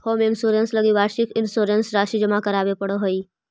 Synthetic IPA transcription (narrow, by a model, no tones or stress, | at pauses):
hoːmɪnsoːɾensləɡiʋaːɾʃɪkɪnsoːɾensɾaːʃid͡ʒəmakəɾaːʋepəɽoɦoiː